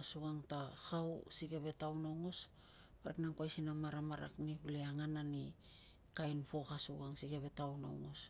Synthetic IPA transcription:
asuɡaŋtahawsiɡeβe̞tawnawŋo̞s | paɾeknaŋkwajsinamaɾamaɾa̰kniβuleaŋanani | kajnpo̞kasuɡaŋsiɡeβe̞tawna̰wŋo̞s

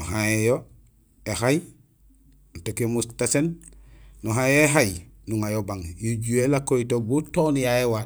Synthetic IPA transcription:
nuɦaejo | ehaj | nutekemustasen | nuɦãjoeɦajnuŋajobaŋjoɟuelakoitobutonjaewa

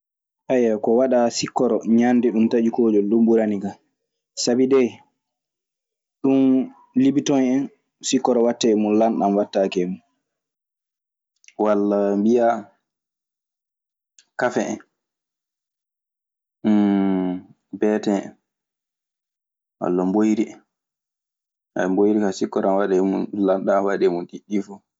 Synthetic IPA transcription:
ʔajːakɔwaɗasikːɔɾɔɲandɛɗumtad͡ʒikoːd͡ʒɔɗumbuɾaniɡa | sabidɛ | ɗun | libitɔnɛn | sikːɔɾɔwatːɛɛmunlanɗamwatːakɛmun | walːabija | kafɛɛn | bɛtɛɛ̰n | wa̰lːambojɾiɛn | ambojɾikasikːɔɾanwaɗɛmunlanɗawaɗɛmunɗiɗːifɔ

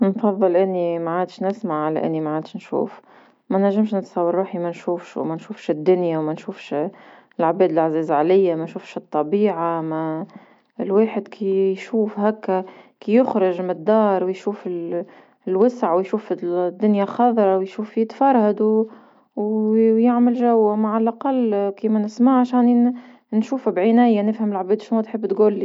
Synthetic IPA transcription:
nfɑðˤːɨlʔɪnːimaʕaːd̪ʃnɪsmaʕʕalæ̰ʔɪ̰nːimaʕaːd̪ʃnʃṵːf | mænæʒːɪmʃnət̪sɑwːɑɾˤːuːħimænʃuːfʃwmænʃuːfʃɪd̪ːʊnjawmænʃuːfʃ | lʕabɛːd̪ɪlʔaʕziːzʕalɪjːamænʃuːfʃɨt̪ˤːɑbiːʕamæ | lweːħɪd̪kʰijʃuːfɦækːækijʊxɾɪʒmɪd̪ːɑːɾˤwjʃuːfɪl | lwɪsʕwjʃuːfid̪ːʊnjaxɑðˤɾˤɑwjʃuːfːit̪fɑɾˤhad̪ | wjɪʕməlʒæwːamaʕalʔaqɑlːkiːmænɪsmaʕʕaʃɛːn | nʃuːfbʕɪnæːjanɪfhəmɪlʕbɛːd̪ʃnut̪ħəbːt̪ɡʊlːi

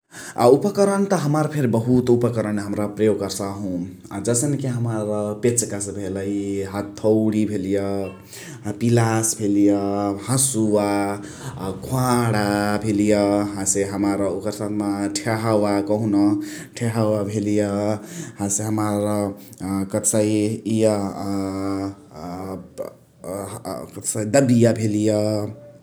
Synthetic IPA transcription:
aupʌkʌɾʌnt̪ʌɦʌmaɾpʰeɾibʌɦut̪upəkʌɾʌnɦəmɾʌpɾəjoɡkʌɾsaɦũ | d͡zʌsʌnikiɦʌmaɾʌpet͡ʃkasʌbʱelʌjɦat̪ʰːʌwɽibʱelijʌ | pilasbʱelijʌhãsuwa | kʰuãɽabʱelijʌɦãseɦamaɾʌukʌɾsanmaʈʰeɦawakʌɦũnʌ | ʈʰeɦawabʱelijʌhãseɦamaɾʌkʌsajjʌ | kʌsajd̪ʌbijabʱelijʌ

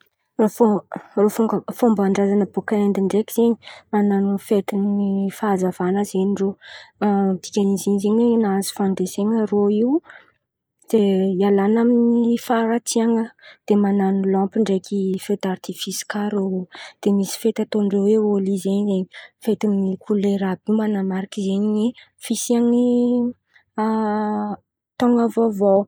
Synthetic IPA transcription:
forofuŋɡəfombaɳɖ͡ʐazanəbokaend̪iɳɖ͡ʐekiz̥eɲi̥mananufet̪inifazavanəzeɲiɳɖ͡ʐo | b̥̪ikʲaniziɲzeɲwenazi̥fand̪eseŋəroiw | z̥eialanaminifaɾat̪iaŋəd̪̥emananilɔ̃mpiɳɖ͡ʐekʰʲifet̪art̪ifisi̥kaɾod̪̥emisi̥fet̪at̪oɳɖ͡ʐeweolizeɲzeɲifet̪imnikʰuleɾabiwmanamaɾakizeɲi | fisiaŋi | t̪oŋəvovow

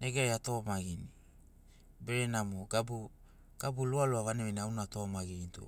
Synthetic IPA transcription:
neɡajato̞maɡini | beɾenamoɡabu | ɡ̥abulualuaβaneβiniawnato̞maɡinitṵ

